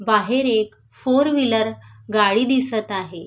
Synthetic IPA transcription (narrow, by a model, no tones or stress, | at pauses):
baɦeɾek | foɾʋiləɾɡaɽiːd̪isət̪aɦe